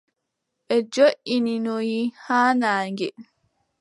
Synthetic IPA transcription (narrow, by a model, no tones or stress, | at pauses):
ʔɛd͡ʒoʔininɔjihaːnaːŋɡɛ